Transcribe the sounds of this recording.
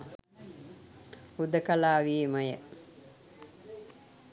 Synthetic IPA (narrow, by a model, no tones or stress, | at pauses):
ud̪əkalaːʋimɐjə